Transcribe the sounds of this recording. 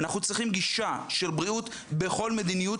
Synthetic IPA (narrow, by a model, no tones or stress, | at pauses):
naχnut͡sʁiχimɡiʃaʃe̞lbʁiut̪ | be̞χo̞lmed̪iniju